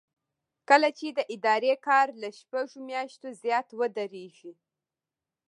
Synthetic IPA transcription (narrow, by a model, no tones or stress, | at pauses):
kəlat͡ʃed̪əʔɪd̪ɑɾekɑɾlaʃpaʒomjɑʃt̪ozjɑt̪wəd̪əɾeʒi